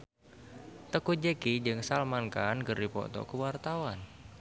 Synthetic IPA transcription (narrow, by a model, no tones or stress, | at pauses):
t̪əkud͡ʒekid͡ʒɨŋsalmankankəripɔ̰t̪ɔ̰kəwart̪awan